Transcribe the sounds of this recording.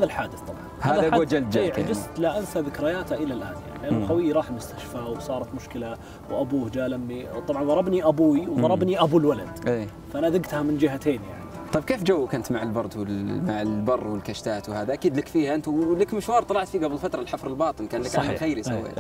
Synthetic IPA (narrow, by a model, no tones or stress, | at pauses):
haːðalħaːd̪ɪθt̪ˤɑbʕɑnhaːðaɡod͡ʒald̪d͡ʒaːʕaɡɪst̪laʔansaðɪkɾɪjaːt̪aʔɪlalʔa̰ːnja̰ʕnilʔaːʊɡawɪjːɾɑːħmʊst̪ḁʃfawsˤɑːɾˤɑt̪mʊʃkɪla | wʔabuːhd͡ʒaːlamːit̪ˤɑbʕɑnðɑɾˤɑbniʔabuːiwðɑɾˤɑbniʔabulwala̰d̪̥ʔeː | faʔanaðɪɡt̪hamɪnd͡ʒɪɦat̪eːnja̰ʕni | t̪ˤɑb̚keːfd͡ʒawːkant̪maʕalbɑɾˤd̪wɪmaʕɪlbɑrˤːwɪlkaʃt̪aːt̪whaːðaʔakiːd̪lɪkfiːhaʔɪnt̪ulɪkmɪʃwɑːɾˤt̪ˤɑlɑʕt̪fiːɡablfat̪ɾˤɑlħafɾˤɪlbɑːt̪ˤɨnkaːnlɪskʕanːxajɾisa̰wːḛː